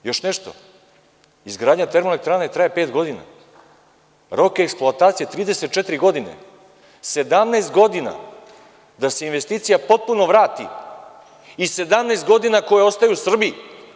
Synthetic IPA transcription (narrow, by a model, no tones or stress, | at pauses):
jo̞ʃneʃt̪o̞̰ | izɡɾaːd̪ɲat̪e̞ɾmolek̚t̪ɾaːnaet̪ɾaːjepeːt̪ɡo̞d̪ina̰ | ɾo̞keeksplˠoat̪aːt̪sijet̪ɾiːd̪e̞set̪̚t͡ʃet̪iɾiɡo̞d̪ine̞̰ | se̞d̪amneːst̪ɡo̞d̪ina̰ | d̪ase̞inʋe̞st̪iːt̪sijapo̞t̪̚puno̞ʋɾaːt̪ḭ | ise̞d̪amneːst̪ɡo̞d̪inako̞jeo̞st̪ajuusr̩bi